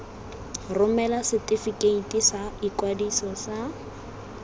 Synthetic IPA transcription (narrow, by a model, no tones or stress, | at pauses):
rʊmɛlasɪtɪfikeitʼisaikwadisɔsa